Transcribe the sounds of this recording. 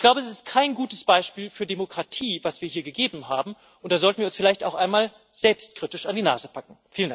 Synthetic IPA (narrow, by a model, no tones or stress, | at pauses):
çɡ̥laʊbəɛs̬ɪst̚kʰaɪnɡuːtəsb̥aɪʃpiːlfyːɐdemokʁ̥atʰiːvasv̥iːɐhiːɐɡəɡeːbm̩ɦaːbm̩ | ʔʊnt̚d̥aːzɔltn̩viːɐʊnsfɪlaɪçtaʊxʔaɪnmaːl | z̥ɛlpst̚kʁ̥itɪʃandiːna̰ːzəpʰakŋ̩fiːləndak̚